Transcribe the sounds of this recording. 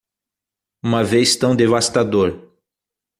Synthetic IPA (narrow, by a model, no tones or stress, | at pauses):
ũmɐvejst̪ɐ̃w̃d̪evast̪ad̪oɾ